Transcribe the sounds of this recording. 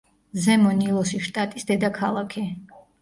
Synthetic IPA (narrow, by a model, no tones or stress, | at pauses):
zɛmɔnilˠɔsiʃt̪ʼat̪ʼisd̪ɛd̪akʰalˠakʰɛ